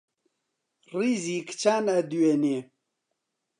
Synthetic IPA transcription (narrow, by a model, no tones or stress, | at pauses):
rizikt͡ʃʰaːnad̪uwene